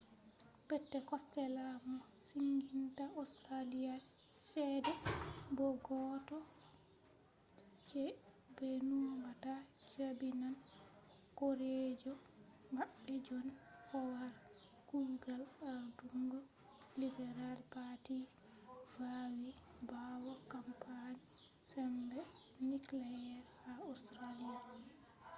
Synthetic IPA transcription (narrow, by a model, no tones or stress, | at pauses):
pɛtːɛkɔstɛlamɔ | siŋɡintaostɾalija | sɛːdɛbɔɡɔtɔ | t͡ʃɛ | benumata | t͡ʃabinan | koɾed͡ʒɔmaɓːɛd͡ʒɔnkɔwaɾ | ɡ̥uɡalaɾduŋɡɔ | libɛɾalpati | vawibawɔkampʰani | sɛmbɛ | niklajjɛɾhaustɾalia